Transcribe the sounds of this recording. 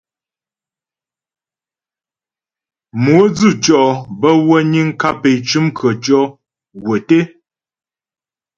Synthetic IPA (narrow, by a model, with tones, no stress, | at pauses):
mwu˨˦d͡zʉ˦˨t͡ʃɔ˦bə˦wə˦ɲi˦ŋ̩˦ka˦pe˨t͡ʃʉ˦mkʰə˨t͡ʃɔ˦ | ɡwə˨te˦